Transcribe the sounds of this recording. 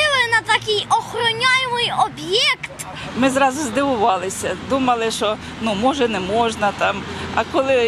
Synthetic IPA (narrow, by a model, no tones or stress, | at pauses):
ɪʋɪnɐt̪akɪjɔxɾɔnʲɑjmɪjɔbʲjɛkt̪ | mɪzɾɑzʊzd̪ɪʋʊʋɑlˠɪsʲɐd̪umɐlˠɪʃɔ | numɔʒɛnɛmɔʒnɐt̪ɑmɐ̰kɔlˠɪ